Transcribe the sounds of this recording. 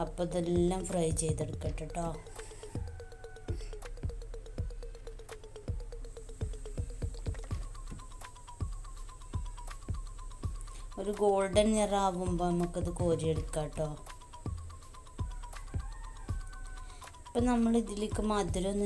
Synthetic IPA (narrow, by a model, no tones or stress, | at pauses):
ɐpːoðelːaːmfrɐjt͡ɕe̞jt̪eɽukːeːʈːiʈːoː | oɾuɡo̞ːɭɖɐneraːʋumboːnɐmukːɐðɨko̞ːɾijeɽukːaːʈːoː | ipːoːnɐmːɐɭiðilikːɨmaːd̪iɾonː